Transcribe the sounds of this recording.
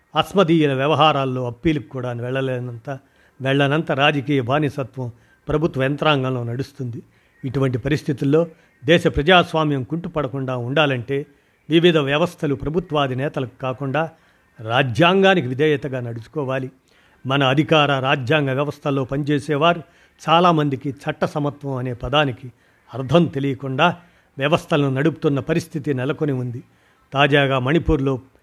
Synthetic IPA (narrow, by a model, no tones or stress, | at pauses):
ɐsmɐd̪iːjulɐʋjɐʋɐɦaːɾaːlːo̞ːɐpːiːlukukuːɽaːnʋɛɭːɐlɛnɐnt̪ɐ | ʋɛɭːɐnɐnt̪ɐɾaːd͡ʒɐkiːjɐbʱaːnisɐt̪ʋɐm | pɾɐbʱut̪ʋɐɛnt̪ɾaːŋɡɐmlo̞ːnɐɽust̪und̪i | iʈuʋɐɳʈipɐɾist̪ʰit̪ulːo̞ː | d̪ɛːʃɐpɾɐd͡ʒaːsʋaːmjɐmkuɳʈupɐɽɐkuɳɖaːuɳɖaːlɐɳʈe̞ː | ʋiʋid̪ʱɐʋjɐʋɐst̪ʰɐlupɾɐbʱut̪ʋaːd̪inɛːt̪ɐlɐku̥kaːkuɳɖaː | ɾaːd͡ʒjaːŋɡaːnikiʋid̪ʱɛːjɐt̪ɐɡaːnɐɽusu̥kɔːʋaːli | mɐnɐːd̪ʱikaːɾɐɾaːd͡ʒjaːŋɡɐʋjɐʋɐst̪ʰɐlːo̞ːpɐnit͡ʃeːsɛːʋaːɾu | t͡ʃaːlaːmɐnd̪ikit͡ʃʰɐʈːɐsɐmɐt̪ʋɐmɐne̞ːpɐd̪aːniki | ɐɾd̪ʱɐnt̪e̞lijɐkuɳɖaː | ʋjɐʋɐst̪ʰɐlɐnunɐɽupu̥t̪unːɐpɐɾist̪ʰit̪inɛlɐkoniund̪i | t̪aːd͡ʒaːɡaːmɐnipuːɾlo̞ː